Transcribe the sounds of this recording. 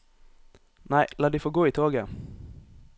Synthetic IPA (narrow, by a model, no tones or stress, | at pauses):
næɪlɑːɖiːfoːɡoːiːt̪ʰoːɡə